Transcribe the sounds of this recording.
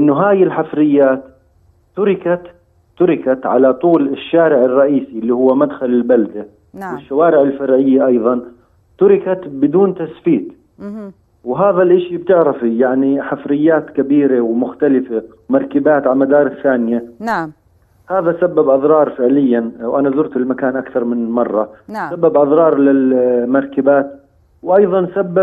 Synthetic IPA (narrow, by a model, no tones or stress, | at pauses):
ʔɪnːʊɦaːjɪlħafɾɪjːaːt̪ː | ʊɾɪkat̪ | t̪ːʊɾɪkat̪ʕalat̪ˤuːlɪʃːaːɾɪʕɪrˤːɑʔiːsiɪlːihʊwːamad̪xalɪlbald̪a | wɪʃːawaːɾɪʕɪlfɑɾʕɪjːaʔɑjðˤɑn | t̪ʊɾɪkat̪bɪd̪uːnt̪asfiːt̪ | wɦaːðalʔɪʃib̚t̪ɪʕɾafijaʕniħafɾɪjːaːt̪kabiːɾawmʊxt̪alɪfewmɑɾˤkabaːt̪ʕalmad̪ɑːɾˤɪsːaːnɪja | haːðasabːabʔɑðɾˤɑːɾˤfɪʕlɪjːanwʔanazʊɾt̪ɪlmakaːnʔakθɑɾˤmɪnmɑrˤːɑsabːabʔɑðɾˤɑːɾˤlɪlmɑɾˤkabaːt̪̚ | wʔɑjðˤɑnsabːa